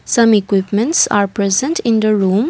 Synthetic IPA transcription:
sʌ̃mikwɪpmə̃nʈsa̰ːɾpɾɛzə̃nʈɪ̃nd̪əɹũm

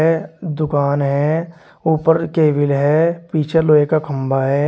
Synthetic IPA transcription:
d̪ʊkaːnɦɛː | uːpəɾkeːʋɪlɦɛːpiːt͡ʃʰeloːekakʰə̃mbaɦɛː

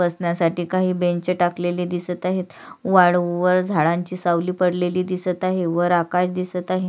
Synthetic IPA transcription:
əsnjasaʈiːkaɦiːbeɲt͡ɕəʈakleliːd̪isət̪aɦet̪ | ʋaɭʋəɾd͡zʱaɭãɲt͡ɕiːsawliːpəɽleliːd̪isət̪aɦeʋəɾakaɕd̪isət̪aɦe

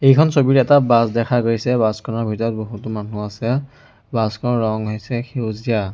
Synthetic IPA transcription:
ejkʰɔnsobiɹɛtabasdɛkʰakoɹisɛbaskʰɔnaɹbʱitɔɹɔt̚boɦutɔmanuasɛ | baskʰɔɹɔŋɦojsɛxezia

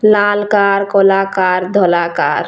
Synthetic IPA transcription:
lalkaɾkɔlakaɾd̪ʱɔlaka̰ːɾ

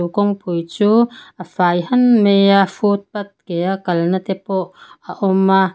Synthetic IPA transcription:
ukɔŋpujt͡suːʔafaːjɦɐnmejafut̪̚pɐt̪̚kejakɐlnɐt̪ɛpɔʔaʔɔma

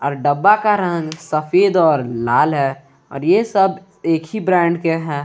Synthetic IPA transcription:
ɔ̰ːɾɖəbːakaɾə̃ŋɡsəfeːd̪ɔːɾlaːlɦɛ | ɔ̰ːɾjesəb | eːkʰibɾɛ̃ːɳɖkeɦɛ̃ː

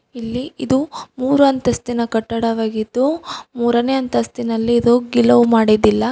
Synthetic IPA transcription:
ilːiid̪umuːɾuɐnt̪ɐst̪inɐkɐʈːɐɽɐʋaːɡid̪ːumuːɾɐneːɐnt̪ɐst̪inɐlːiːd̪oɡilɐʋumaːɽid̪ilːɐ

